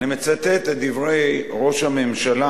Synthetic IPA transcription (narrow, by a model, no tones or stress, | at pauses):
nimet͡sat̪et̪ed̪ivʁejʁo̞ʃhamemʃala